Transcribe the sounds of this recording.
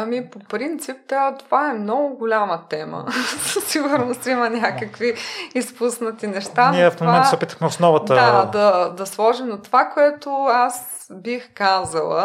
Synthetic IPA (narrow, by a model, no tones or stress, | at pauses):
ɐmipopɾint̪sip̚t̪ət̪ovaɛmnɔɡʊɡʊlʲamɐt̪ɛmə̰siɡʊɾnost̪imɐnʲakəkviispusnɐt̪inɛʃt̪aniɛfmomɛnsɛopit̪əxmɛʊsnɔvətd̪əd̪ɐd̪ɐslˠɔʒimnot̪ovakoɛt̪oas | bixkazəlˠə̰